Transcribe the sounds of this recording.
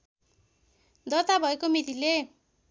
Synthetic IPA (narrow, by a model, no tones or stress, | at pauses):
d̪ʌt̪abʱʌekomit̪ile